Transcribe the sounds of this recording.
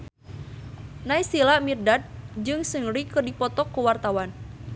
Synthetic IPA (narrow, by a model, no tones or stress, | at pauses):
naisilamirdat̪̚d͡ʒɨŋsəŋɾikərdipɔt̪ɔkːuwart̪awan